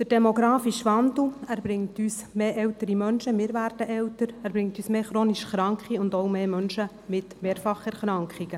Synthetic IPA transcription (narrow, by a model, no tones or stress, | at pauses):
d̥̪əɾd̥ɛmoɡɾɑːfiʃʋɑndl̩æːɾbɾɪŋtyːsmeːʔɛwtəɾimœnʃəmɪːɾʋæːɾd̥əʔɛwtəɾæːɾbɾɪŋtyːsmeːχɾoːniʃχɾɑŋkχiʊndowmeːmœnʃə | mɪtmeːɾfɑχæɾχɾɑŋkχiɡ̥ə